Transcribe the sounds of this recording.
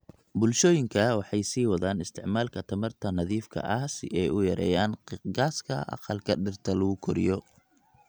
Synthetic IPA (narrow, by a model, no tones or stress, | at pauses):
bʊlʃɔːjɪŋkʰɐwɑħɑjsiːwɑðaːnɪst̪ʰɪʕmaːlkʰɐt̪ʰɐmɐrt̪ʰɐnɐðiːfkʰɐ̰ʔɐhsɪʔɛjʊjɐɾɛ̰ːjaːnqɡaːskʰɐ̰ʔɑ̰qɑlkʰɐɖɪrt̪ʰɐlɐɣʊkʰɔɾɪ̰jɔ